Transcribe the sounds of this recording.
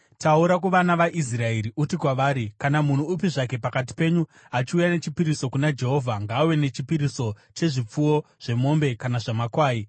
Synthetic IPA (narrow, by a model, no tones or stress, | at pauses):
tauɾak̬uʋanaʋaʔis̬rae̞ɾiʔutikwaʋaːɾikanamun̤uup̬iʐake̞pakat̬i̥pe̞ɲu | at͡ʃiujane̞t͡ʃipiɾiso̞kunad͡ʒe̞ɦo̞ːvʱaŋɡaːwe̞ne̞t͡ʃipiɾiso̞ | t͡ʃe̞ʐip͡fuwo̞ʐ̥e̞mo̞mbe̞kanaʐamakwaːji